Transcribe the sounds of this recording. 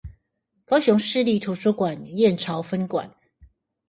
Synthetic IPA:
kɑ˥ʊɕʊ˧˥ŋʂɻ̩˥˧li˥˨t̪ʰu˨˩ʈ͡ʂʰu˦˥kwa˨˩njɛ˥˨nʈ͡ʂʰɑ˨˥ʊfə˦˥nkwa̰˨˩˦n

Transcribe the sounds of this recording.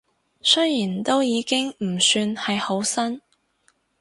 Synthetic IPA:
sɵ˥jjiː˨˩nt̪o˥wjiː˨˧kɪ˥ŋm̩˨˩syː˧nhɐ˨jho˨˥wsɐ˥n

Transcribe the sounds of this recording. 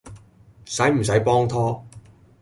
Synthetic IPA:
sɐ˨˥jm̩˨˩sɐ˨˥jpɔː˥ŋt̪ʰɔː˥

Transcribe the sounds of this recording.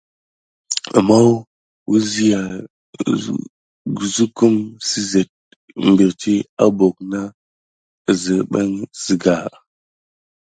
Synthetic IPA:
a̰˨ma˦w | wu˦zi˦ja˨ | ɡu˨zu˦ku˦msi˦ze˨t̚ | mbi˨ɾti˦a˦bo˨k̚na˦˨ | zi˨ɓa̰˦nz̥i˨ɡa˨

